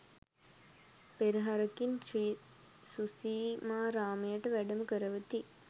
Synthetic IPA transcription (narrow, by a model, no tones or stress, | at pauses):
peɾiɦaɾəkini | susiːmaːɾaːməjəʈəʋæɖəmukəɾəʋət̪i